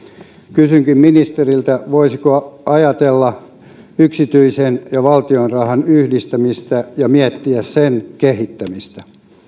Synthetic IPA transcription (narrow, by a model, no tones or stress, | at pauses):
kysyŋkimminist̪erilt̪æʋoisikoɑjɑt̪elːɑ | yksit̪yisenjɑʋɑlt̪ionrɑhɑnyhdist̪æmist̪æjɑmiet̪ːiæssenkehit̪ːæmist̪æ